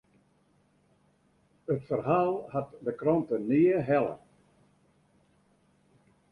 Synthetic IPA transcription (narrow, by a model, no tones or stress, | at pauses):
ətfərɦaːlˠhatdəkrɔntəniəɦɛlˠə̰